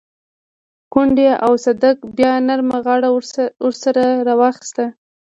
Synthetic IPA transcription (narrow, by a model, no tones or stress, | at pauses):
kʊɳɖeawsad̪akbjɑnaɾmaɣɑɽaʊɾsaɾaɾɑwɑxɪ̥st̪a